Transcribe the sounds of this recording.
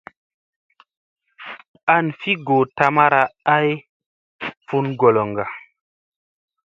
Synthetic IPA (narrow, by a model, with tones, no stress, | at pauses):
a˦nfi˦ɡo˨ta˧˦ma˦ɾa˨a˦j | fu˦nɡo˨lo˨ŋɡa˨